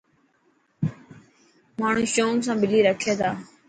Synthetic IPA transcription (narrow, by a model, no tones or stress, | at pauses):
maːɳ̤ũːʃoːŋs̬ãːbɪliːɾəkʰeːt̪ʰaː